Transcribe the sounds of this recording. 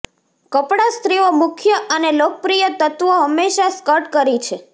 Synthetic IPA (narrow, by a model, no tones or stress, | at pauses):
kəpɽast̪ɾiomʊkʰjəʔənelokəpɾijət̪ət̪ʋoɦəmːeʃaskəʈkəɾit͡ʃʰe